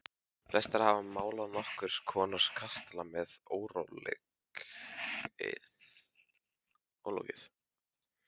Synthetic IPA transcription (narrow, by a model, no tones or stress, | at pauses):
flɛst̪aɾ̥havamaːwlaðnɔhkʏɾ̥skʰɔːnaɾ̥skʰast̪lamɛðoːwɾowlḛk | ɪ̰ | o̰wlo̰wcɪθ